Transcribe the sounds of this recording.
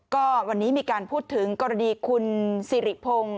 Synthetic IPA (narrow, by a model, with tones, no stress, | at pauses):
kɔː˥˩wa˧nːiː˦˥miː˧kaː˧npʰuː˥˩t̪ʰːɯ˩˦ŋkɔː˧ɾa˧niː˧kʰu˧nsiː˨˩˦ɾi˨˩ʔpʰo˧ŋ